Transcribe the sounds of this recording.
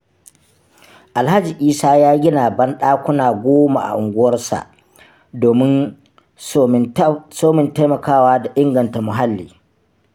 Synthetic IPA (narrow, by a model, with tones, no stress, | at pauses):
ʔa˨lɦa˦d͡ʒi˨ʔiː˦saː˦jaː˦ɡʲɪ˦naː˨bɐ˦nɗaː˦kʷʊ˦naː˨ɡʷoː˦ma˨ʔa̰˨ʔʊ˨ŋɡʷʊ˦wɐ˦rsa̰˨ʔ | doː˨mɪ˦n˦ | soː˦mɪ˨nta˦jmɐ˨kaː˦waː˦da˨ʔɪ˦ŋɡɐ˨nta˨mʊ˨ɦa˦lːḭː˨